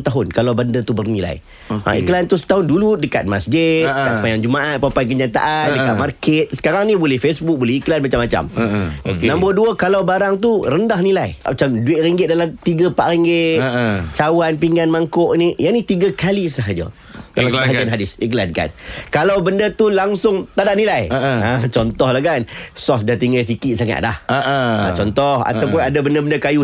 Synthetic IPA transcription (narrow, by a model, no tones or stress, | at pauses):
t̪aɦʊnkalawbəndət̪ubərnila̰j | a̰ḭklant̪usə̥t̪aɦʊnduludəka̰t̪̚masd͡ʒɪt̪̚dəkasəpajaŋd͡ʒumaʔat̪̚papajk̬əɲat̪a̰ʔandəkat̪̚markɛt̪̚sə̥kaɾaŋnĩbolɛhfesbʊk̚bolɛhiklanmat͡ʃamːat͡ʃa̰m | namboduəkalawbaɾaŋt̪urəndahnilajat͡ʃamduɪʔ̪̚ɾiŋɡɪt̪̚dalamt̪iɡəpaʔɾiŋɡɪʔt͡ʃawanpiŋanmaŋkoʔnijaŋnĩt̪iɡəkalisəɦad͡ʒə̰ | kalaaɦad͡ʒanɦadɪsiklanka̰nkalawbəndət̪ulaŋsʊŋt̪adaʔnilajət͡ʃɔnt̪ɔhlahkansɔfdat̪iŋas̬ikiʔsaŋa̰ʔ̪̚lahʔã̰t͡ʃɔnt̪ɔha̰t̪awpʊnadabəndəbəndəkaju